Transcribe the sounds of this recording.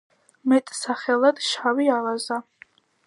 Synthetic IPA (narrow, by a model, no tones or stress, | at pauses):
mɛt̪ʼsaχɛlad̪ʃawialaza